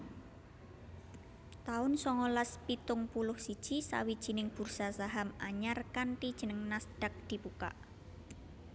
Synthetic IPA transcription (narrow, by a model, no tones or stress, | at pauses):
t̪aʊnsɔŋɔlaspit̪ʊŋpulʊhsid̥ʒ̥isa̰wid̥ʒ̥i̤nɪŋb̥ṳrsasaɦamaɲarkant̪id̥ʒ̥ə̤nəŋnasɖ̥a̤k̚d̪̥i̤puka̰ʔ